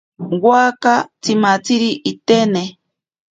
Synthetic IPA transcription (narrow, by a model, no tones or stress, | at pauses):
wakat͡simat͡siɾiʔit̪ene